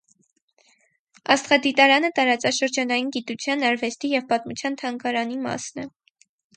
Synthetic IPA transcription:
ɑ̰st̪χɑd̪it̪ɑɾɑnət̪ɑɾɑt͡sɑʃəɾd͡ʒɑnɑjinɡit̪ut͡sʰjɑnɑɾvɛst̪ijɛvpɑt̪mut͡sʰjɑnt̪ʰɑŋkɑɾɑnimɑ̰snɛ

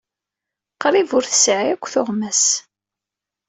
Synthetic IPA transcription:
qɾivʊɾθə̥sʕiækʷːθʊʁmæs

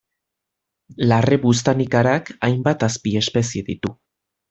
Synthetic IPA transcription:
lareβus̬t̪anikaɾakajmbat̪aspie̞spe̞sieðit̪u

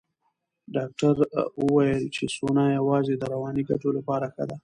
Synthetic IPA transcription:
ɖɑk̚ʈaɾwəwɑjəlt͡ʃesonɑjawɑzed̪əɾawɑniɡaʈolapɑɾaxa̰d̪a

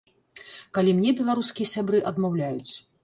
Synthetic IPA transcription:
kalʲimnʲɛbʲɛlˠaɾuskʲijɐsʲabɾɨʔɐd̪mawlʲajut͡sʲ

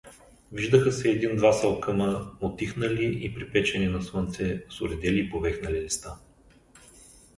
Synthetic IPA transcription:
viʒd̪əxəsɛːd̪ind̪vasɐlˠkəməot̪ːixnəliʔipɾipɛt͡ʃɛninɐswɤnt̪sɛsʊɾɛd̪ɛliːpovɛxnɐlilist̪a

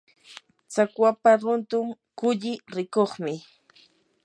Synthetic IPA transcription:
t͡sakwapaɾʊnt̪ʊm | kʊʎɪɾɪkoχmɪ

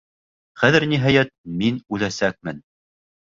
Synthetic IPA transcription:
χæðɘɾniɦɑjæt̪̚minʉlæsæk̚mɘn

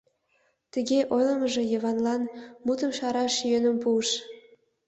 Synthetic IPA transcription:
t̪əɣeʔojləməʒĕjə̆βɑnlɑnmut̪əmʃɑɾɑʃjønəmpuəʃ

